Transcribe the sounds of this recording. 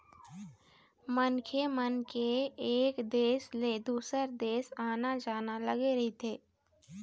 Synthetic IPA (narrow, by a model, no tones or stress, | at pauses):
mənkʰemənkeːkd̪eːsled̪uːsəɾd̪eːsaːnad͡ʒaːnaləɡeɾəɦit̪ʰeː